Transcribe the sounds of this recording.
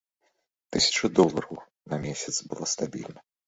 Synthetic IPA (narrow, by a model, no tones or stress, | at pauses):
t̪ɨsʲɐ̥t͡ʂɨd̪ɔlˠɐɾɐw | nɐmʲɛsʲɐt̪sbɨlˠast̪abʲḭlʲnɐ